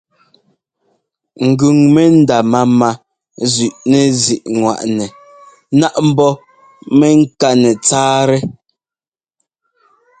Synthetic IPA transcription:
ŋ̩˨ɡʉ˨ŋmɛ˦n̩˦da˨ma˦ma˨ | zʉ˨ʔnɛ˨zi˨ʔŋwa̰˨ʔnɛ˨ | na˦ʔm̩˦bɔ˦ | mɛ˦ŋ̩˦ka˦nɛ˨t͡saː˦ɾɛ˦

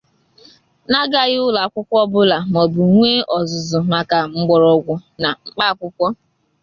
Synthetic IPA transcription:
na˦ɡa˨ɣɪ˦ʊ˦la˨kʷʊ˦kʷɔ˦bʊ˦la˨m˨ɔ˨bu˨ŋʷeː˦ʔɔ˨zʊ˨zʊ˨ma˨ka˨ŋ͡m̩˦ɡ͡bɔ˨ɾɔ˦ɡʷʊ˦na˨ŋ͡m̩˦k͡pa˦˨kʷʊ˦kʷɔ˦

